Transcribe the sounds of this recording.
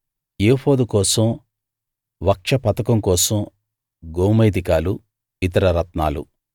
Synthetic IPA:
eːpʰoːd̪ukɔːsɐm | ʋɐkʂɐpɐt̪ɐkɐmkɔːsɐm | ɡoːmɐjd̪ikaːlu | it̪ɐɾɐɾɐt̪naːlṵ

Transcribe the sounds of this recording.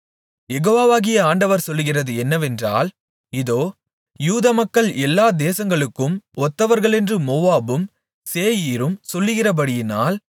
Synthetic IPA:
jɛɣoːʋaːʋaːɣɪjɐaːɳɖɐʋɐɾsɔlːɯɣɪrɐðɯɛnːɐʋɛndra̰ːl | ɪðoː | juːðɐmɐkːɐɭʔɛlːaːd̪eːsɐŋɡɐɭɯkːɯmɔt̪ːɐʋɐɾɣɐɭɛndrɯmoːʋaːbɯm | seːjiːɾɯmsɔlːɯɣɪrɐp̬ɐɽɪjɪnaːl

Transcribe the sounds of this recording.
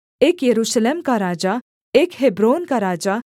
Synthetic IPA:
eːkjəɾuʃəlemkaɾaːd͡ʒa | eːkɦebɾoːnkaɾaːd͡ʒa

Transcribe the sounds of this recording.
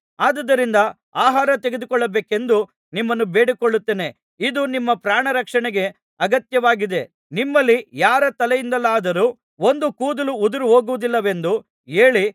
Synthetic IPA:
aːd̪ɐd̪ɐɾind̪ɐ | aːɦaːɾɐt̪eɡe̞d̪ukɔɭːɐbe̞ːke̞nd̪u | nimːɐnːube̞ːɽikɔɭːut̪ːeːne̞ | id̪unimːɐpɾaːɳɐɾɐkʂɐɳɛɡe̞ | ɐɡɐt̪jɐʋaːɡid̪e̞ | nimːɐlːijaːɾɐt̪ɐlɛjind̪ɐlːaːd̪ɐɾuː | o̞nd̪ukuːd̪ɐluud̪uɾuɦo̞ːɡuʋud̪ilːɐʋe̞nd̪u | e̞ːɭi

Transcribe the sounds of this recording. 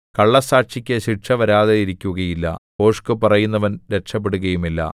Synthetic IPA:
kɐɭːɐsaːʈʂikʲːɐɕiʈʂɐʋɐɾaːðeiɾikʲːuɣɐjilːɐ̰po̞ːʂkɨpɐrɐjunːɐʋɐnɾe̞ʂɐp̬ːe̞ɽuɣɐjumilːɐ̰

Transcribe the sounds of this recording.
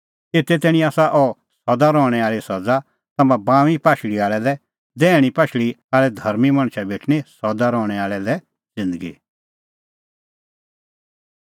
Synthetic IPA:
eːt̪ɛt̪ɛːɽ̃ĩaːsaʔɔ | sɐd̪aɾɔːɽ̃ɛaːɭisɐd͡za | t̪ɐmãbãːʋipaːʃɭiaːɭɛlɛ | d̪ɛːɽ̃ipaːʃɭiaːɭɛd̪ʱɐɾmimɐ̃ɽ̃ʃʰabeːʈʰñisɐd̪aɾɔːɽ̃ɛaːɭɛlɛ | d͡zɪ̃nd̪əɡḭ

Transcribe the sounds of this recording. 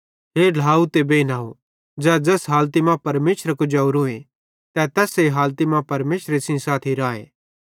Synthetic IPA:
ɦeːl̤ʱaːut̪ebeːnaːɦo | d͡zɛːd͡ʒɛsɦaːlt̪imãpɐɾmeːʃɾəkʊd͡ʒɐuɾuẽ | t̪ɛt̪ɛːseɦaːlt̪imãpɐɾmeːʃɾesɪ̃saːt̪ʰiɾaːḛː

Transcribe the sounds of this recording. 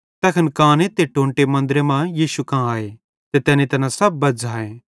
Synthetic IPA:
t̪ɐːkʰɐnkãːnet̪eʈõːɳʈemɐ̃nd̪ɾemãːjiːʃukãːaːeː | t̪et̪ɛːnẽt̪ɐnãsɐb̚ːɐd͡ʒaːẽː

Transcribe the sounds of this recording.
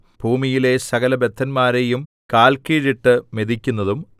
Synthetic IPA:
b̥ʱuːmijile̞sɐɡɐlɐbe̞t̪ʰːɐnmaːɾe̞jum | kaːlkiːɻiʈːɨme̞d̪ikʲːunːɐðum

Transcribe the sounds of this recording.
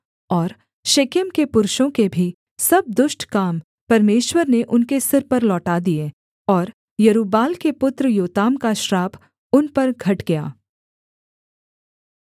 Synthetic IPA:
ɔːɾ | ʃeːkɪmkepʊɾʃõkebʱi | sɐb̚d̪ʊʃʈkaːm | pɐɾmeːʃwəɾneʔʊnkesɪɾpɐɾlɔːʈaːd̪ie | ɔːɾ | jɐɾuːbaːlkepʊt̪ɾəjoːt̪aːmkaʃɾaːpʰ | ʊnpɐɾɡʱɐʈɡɐja̰ː

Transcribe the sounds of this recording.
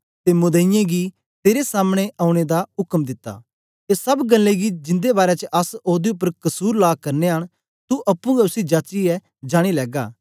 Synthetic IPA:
t̪emʊd̪əɪjãɡi | t̪eːɾesaːmɽ̃eʔaːʊ̃ɽ̃ed̪aʊkmd̪ɪt̪ːa̰ː | esɐbɡɐlːeɡid͡ʒɪ̃nd̪ebaːɾet͡ʃʔɐsoːd̪iʊp̬ːəɾkɐsuːɾlaːkɐɾneɦɐɽ̃ | t̪uʔɐpːũɡɐʊsid͡ʒaːt͡ʃiɛ | d͡ʒaːɽ̃ilɛːɡaː

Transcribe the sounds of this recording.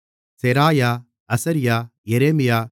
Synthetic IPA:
seɾaːjaː | ɐsɐɾɪjaːjɛɾeːmɪjaː

